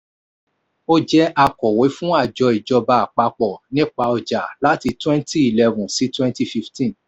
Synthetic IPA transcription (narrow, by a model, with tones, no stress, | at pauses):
o˦d͡ʒɛ˦ʔa˧kɔ˨we˨˦fũ˦a˦˨d͡ʒɔ˨˧i˨d͡ʒɔ˧ba˧a˨k͡pa˧k͡pɔ˨nĩ˦k͡pa˧ɔ˨d͡ʒa˨la˦ti˧twɛ̃˦nti˦i˨lɛ˧vũ˨si˨˦twɛ̃˦nti˦fi˧ftĩ˦˨n